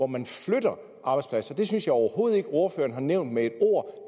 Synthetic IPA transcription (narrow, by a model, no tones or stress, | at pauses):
ɒmænfløɾ̥ɐ | ʔɑ̈b̥ɑ̈ɪspʰlæsɐd̥e̝synsjɑ̈ɪɒʊɐho̝ːð̞̩ˠe̝ɡ̥o̝ːɐfø̰ːɐn̩ɦhɑ̈neʊnd̥mee̝d̥o̝ɐ̰